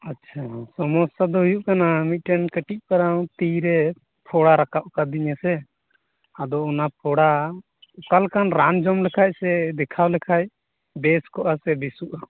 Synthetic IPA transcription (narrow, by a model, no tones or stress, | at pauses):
atːt͡ʃʰasɔmɔst̪ad̪ɔɦujuʔkanamit̪̚ˀʈɛnkəʈic̚ˀpaɾaw̃t̪iɾɛ | pʰɔɽaɾakaʔkad̪iɲasɛ | ad̪ɔɔnapʰɔɽa | ɔkalkanɾand͡ʒɔmlɛkʰac̚sɛd̪ɛkʰawlɛkʰaj | bɛskɔʔasɛbisuʔa